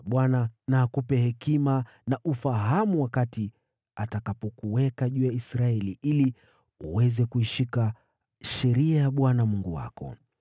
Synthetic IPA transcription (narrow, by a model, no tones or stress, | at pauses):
ɓwananaːkupɛhɛkima | naʔufaɦamuwakati | atakapɔkuwɛkaʄuːjaisɾaɛliʔili | uwɛzɛkuiʃika | ʃɛɾiajaɓwanamuŋɡuwa̰kɔ̰